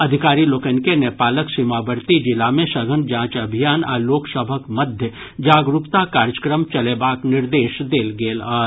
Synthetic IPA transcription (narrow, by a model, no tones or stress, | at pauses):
ɐd̪ʱɪkaːɾiloːkənkenɛːpaːləksɪmaːbəɾt̪id͡ʒɪlamẽsɐɡʱənd͡ʒãːt͡ʃɐbʱijaːna̰loːksəbʱəkmɐd̪ʱjə | d͡ʒaːɡɾupt̪akaːɾjəkɾəmt͡ʃɐlebaːknɪɾd̪eːʃd̪eːlɡeːlaː